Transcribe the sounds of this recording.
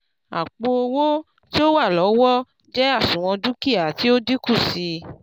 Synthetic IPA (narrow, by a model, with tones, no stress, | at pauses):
a̰˨k͡po˧o˧wo˦ | ti˦o˦wa˦˨lɔ˨˦wɔ˦ | d͡ʒɛ˦a˦˨sũ˨w̃ɔ̃˧du˦ki˦˨a˨ti˦o˦di˦ku˦˨si˧